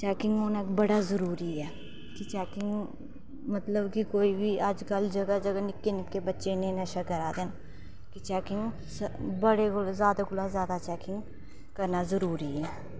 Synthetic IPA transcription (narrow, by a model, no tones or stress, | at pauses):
t͡ʃɛːkɪ̃ŋɡɦoːnakbəɽazəɾuːɾiɛː | kit͡ʃɛːkɪ̃ŋɡ | mət̪ləbkikoːibʱiaːd͡ʒkɐld͡ʒɐɡad͡ʒɐɡanɪkːenɪkkebətːʃenẽnɐʃakɐɾaːd̪en | kit͡ʃɛːkɪ̃ŋɡ | sbəɽekozjaːd̪akʊlazjaːd̪at͡ʃɛːkɪ̃ŋɡ | kɐɾnazəɾuːɾiɛː